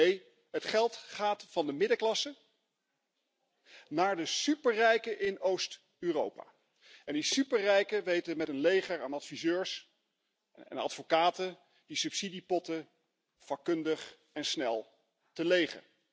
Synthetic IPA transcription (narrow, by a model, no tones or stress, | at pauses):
nej | ɦətχɛlˠtχaːtfɑndəmɪdəklɑsə | naːɹdəsypəɹrɛjkəʔɪnowst | yːrowpa̰ː | ɛndisypəɹrɛjkəʋejtəmɛtənlejχəɹaːnɑtfizøːɹs | ɛ̰nɑ̰tfokaːtə | disʉpsidipɔtə | fɑkːɵndəχ | ɛnsnɛlˠ | təlejχə̰